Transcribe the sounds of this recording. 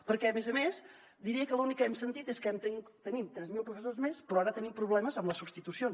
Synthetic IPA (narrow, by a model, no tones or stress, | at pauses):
pəɾkɛəmɛzəmes | d̪iɾiəkəlunikːəɛmsənt̪it̪eskɛmt̪ŋt̪ənimt̪ɾɛzmilˠpɾufəsozmespɾɔaɾət̪ənimpɾuβlɛməzəmləsubst̪it̪usion